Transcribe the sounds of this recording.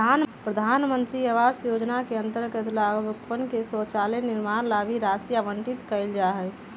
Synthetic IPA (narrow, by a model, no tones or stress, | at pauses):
aːnpɾəd̪ʱaːnmə̃nt̪ɾiəʋaːsjoːd͡ʒnakeə̃nt̪əɾket̪laɡʋʊkpənkesɔt͡ʃaːlenɪɾmaːnlaːʋiɾaːsijaʋə̃ɳʈit̪kəɪld͡ʒaɦɛː